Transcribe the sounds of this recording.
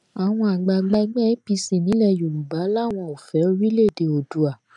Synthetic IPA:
a˨w̃ɔ̃˧a˨ɡ͡ba˧ɡ͡ba˧ɡ͡bɛ˦˨i˦pi˧sĩ˨nĩ˨˦lɛ˦˧˨jo˨lũ˨ba˨˦la˦˨w̃ɔ̃˧o˨fɛ˨˦o˧ɾi˦le˦˨de˧˨o˨du˨˦a˨

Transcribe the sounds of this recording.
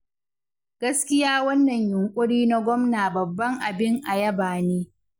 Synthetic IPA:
ɡ̥ɐ˦skʲɪ˦jaː˦wɐ˦nːɐ˨ɲjʊ˨ŋkʷʼʊ˦ɽiː˦na˦ɡʷɔ˦mnaː˨bɐ˨bːɐ˦ŋʔa˨bɪ˦ŋʔa˨jɐ˦baː˨neː˦

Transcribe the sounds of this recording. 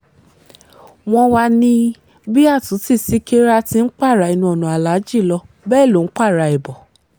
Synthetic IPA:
w̃ɔ̃˧wa˧nĩ˧ | bi˦a˦˨tũ˨˦si˦˨si˦ke˦ɾa˦tĩ˧n̩˦k͡pa˦˨ɾa˨˧˨i˨nũ˧˦ɔ˨nũ˨a˨la˨˦d͡ʒi˦˨lɔ˧ | bɛː˦˨lo˨n̩˦k͡pa˦˨ɾa˧ɛ˨bɔ˨

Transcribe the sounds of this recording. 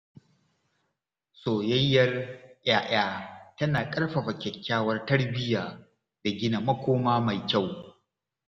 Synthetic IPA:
soː˨jɐ˦jːɐ˦rj̰aː˦ʔaː˦tɐ˦naː˨kʼɐ˦rɸɐ˨ɸɐ˨kʲɛ˨kʲʰːaː˦wɐ˦rtɐ˦ɽbɪ˦jaː˨ | da˨ɡʲɪ˦na˨mɐ˦kʷoː˦maː˦ma˨jkʲa˦˨w

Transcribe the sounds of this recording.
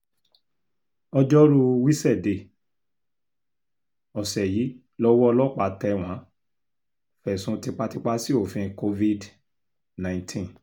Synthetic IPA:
ɔ˧d͡ʒɔ˦ɾu˦˧wi˦sɛ˦˨de˧˨ | ɔ˨sɛ˨ji˨˦ | lɔ˦wɔ˦ɔ˧lɔ˦k͡pa˧tɛ˧w̃ã˨˦ | fɛ˨sũ˧˦ti˧k͡pa˦˧ti˧k͡pa˦si˦o˦˨fĩ˧ko˧vi˦d | nã˨ĩ˨tʰĩ˦n

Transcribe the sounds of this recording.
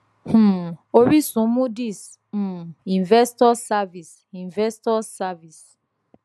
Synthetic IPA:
h̩˦˨o˨ɾi˦sũ˨˦mũ˦di˦˨s̩˨ | ĩ˨nvɛ˦stɔ˦sa˦vi˨s | ĩ˨nvɛ˦stɔ˦sa˦vi˨s

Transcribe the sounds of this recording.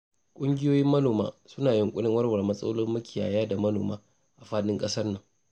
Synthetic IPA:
kʷʼʊ˦ŋɡʲɪ˦joː˦jɪ˦mːɐ˦noː˨ma̰ː˦sʊ˦naː˨jɪ˨ŋkʷʼʊ˦ɽɪ˦ŋwɐ˦rwɐ˨rmɐ˦sʼɐ̰˦lʊ˦rmʊ˦kʲɪ˨ja̰ː˨jaː˦da˨mɐ˦no̰ː˨maː˦ | ʔa˨ɸaː˦ɗɪ˦ŋkʼɐ˦sɐ˦rnɐ˨ŋ

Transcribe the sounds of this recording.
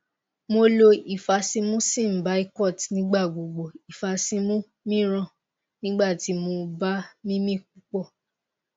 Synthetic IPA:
mo˧lo˧i˨fa˧sĩ˧mũ˦sĩ˦˨m̩˨ba˨˦i˧kɔ˦˨tnĩ˦ɡ͡ba˦˨ɡ͡bo˨ɡ͡bo˨i˨fa˧sĩ˧mũ˦ | mĩ˦ɾ̃ã˦˨ | nĩ˦ɡ͡ba˦˨ti˨˦mo˧ba˦mĩ˦mĩ˦k̚u˨˦k͡pɔ˦˨

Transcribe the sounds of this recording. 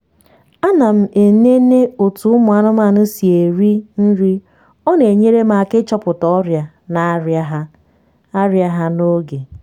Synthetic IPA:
a˦na˨m̩˦˨ʔe˨ne˦ne˦o˨tu˨˦ʊ˦mʊ˨a˦nʊ˦m˦a˦˨nʊ˦si˨e˨ɾi˦n̩˦ɾi˦ | ɔ˦ne˨ɲe˦ɾe˦m̩˦a˨kɪ˦t͡ʃɔ˦pʊ˨tɔ˦ɾja˨ | na˨ɾa˦ɦa˦ | a˦ɾja˦ɦa˦no˦ɡe˨

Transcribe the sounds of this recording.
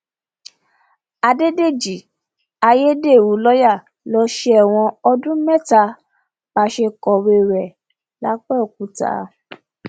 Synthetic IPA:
a˧de˦de˦˨d͡ʒi˨ | a˧je˦de˦˨wu˨˦lɔ˦ja˦˨ | lɔ˧˦ʃe˦ɛ˦˨w̃ɔ̃˧ɔ˧dũ˦mɛ˦˨ta˧˦ | ba˧˦ʃe˧kɔ˧˨ɾe˧ɾɛ˨ | la˦k͡pɛ˦˨k̚u˨˦ta̰ː˨˦

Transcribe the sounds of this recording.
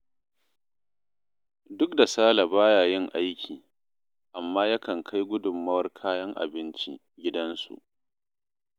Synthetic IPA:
dʊ˦k̚da˨saː˦la˨baː˦jaː˨jɪ˦ŋʔa˦jkʲʰiː˨ | ʔa˨mːaː˦ja˦kɐ˨ŋkʰa˦jɡʷʊ˦dʊ˨mːɐ˦wɐ˦rkʰaː˦jɐ˦ŋʔa̰˨bɪ˦nt͡ʃḭ˦ | ɡʲɪ˦dɐ˦nsṵ˨ʔ

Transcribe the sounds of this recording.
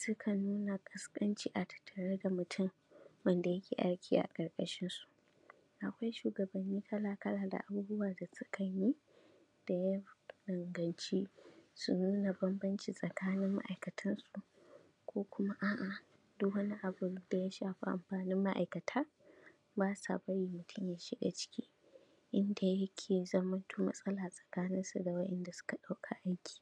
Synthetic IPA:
sʊ˦kʰɐ˨nuː˦na˨kʼɐ˦skʼɐ˦nt͡ʃiː˦ʔa˨tɐ̥˨tʰːɐ˨ɽɐ˦da˨mʊ˨tʰʊ˦m | wɐ˦nda˨jɐ˦kʲḛː˨ʔa̰˦ɽkʲʰiː˦ʔa̰˨kʼɐ˨ɾkʼɐ˦ʃɪ˦nsu̥˨ʔ | ʔa˨kʷa˦jʃuː˨ɡɐ˨bɐ˨nːiː˦kʰɐ˦laː˨kɐ˦ɽaː˨da̰˨ʔa˨buː˦bʊ˦waː˨da˨sʊ˦kʰɐ˨ji˦ | d̥a˨ja˦dɐ˨ŋɡɐ˨nt͡ʃiː˦su˨nuː˦na˨bɐ˦mbɐ˦nt͡ʃiː˨sʼɐ˨kʰaː˦nɪ˦mːa̰˦ʔa̰˨jkɐ˨tʰɐ˦nsu˨ | kʷoː˦kʷʊ˦ma˦ʔaː˦˨ʔa˨ | dʊ˦kwɐ˦ni˦ʔa˨bʊ˨d̥a˨ja˦ʃaː˨ɸi˦ʔa̰˨mɸaː˨nɪ˦mːa˦ʔa̰˨jkɐ˨tʰaː˦ | baː˦sa̰˨bɐ˦ji˨mʊ˨tʰʊ˦mjaː˨ʃɪ˦ɗḛ˨t͡ʃɪ̥˦kʲiː˦ | ʔɪ˦nda˨jɐ˦kʲʰeː˨zɐ˦mɐ˦ntʰuː˦mɐ̰˦sʼɐ˦laː˨sʼɐ̥˨kaː˦nɪ˦nsu˨da˨wɐ˦ʔɛ˦nda˨sʊ̥˦ka˨ɗa˦wkʰa˨ʔa˦jkʲi̥ː˨

